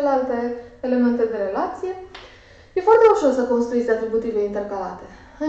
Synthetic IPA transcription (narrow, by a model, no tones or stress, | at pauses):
lealt̪e̞ːle̞me̞nt̪e̞d̪e̞ɾe̞lat̪sije̞ | je̞foart̪e̞uʃo̞rsəko̞nst̪ɾuezeat̪ɾibut̪iveint̪e̞rkala̰t̪e̞ | ɨ